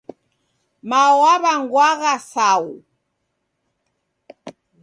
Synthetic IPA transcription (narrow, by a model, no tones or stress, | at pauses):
mawaβaŋɡwaɣasau